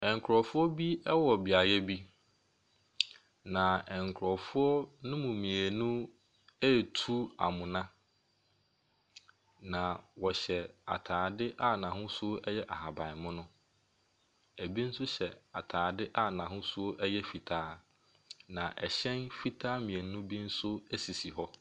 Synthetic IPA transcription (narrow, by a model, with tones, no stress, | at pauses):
ɛ˨ŋ˨kʰɾɔ˨fʊ˦ɔ˦bi˦ɛ˦wɔ˨bɪ˨a˨jɛ˦bi˦ | nã˨ɛ˨ŋ˨kʰɾɔ˨fʊ˦ɔ˦nʊ̃˦mʊ̃˨mĩ˨æ˨nũ˦ | ɛ˦˨tʰu˦a̰˨mʊ̃˨nã˦ | nã˨wɔ˨ɕɛ˨a̰˨tʰaː˨dɪ˦ʔa˦nã˨ɦʊ̃˦sʊ˦ɔ˦ʔɛ˦jɛ˦ʔa˨ɦa˨bã˨mʊ̃˦nʊ̃˦ | æ˨bi˦n̩˦sʊ˦ɕɛ˨a˨tʰaː˨dɪ˦ʔa˦˨nã˨ɦʊ̃˦sʊ˦o˦ʔɛ˦jɛ˦fi˨tʰaː˦ | nã˨ʔɛ˨ɕɛ̃˦nfi˦tʰaː˦mĩ˨æ˨nũ˦bi˦n̩˦sʊ˦æ˦si˨si˨ɦɔ˦